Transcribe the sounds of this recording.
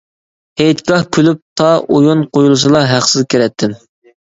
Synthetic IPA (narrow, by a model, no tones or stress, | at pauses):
hejt̪kɑhkʲʰylyp̚t̪ʰɑʔojunqʰojulˠɨs̬ɨlˠɑɦæqsɨzkʲʰiɾɛt̪ʰːɪm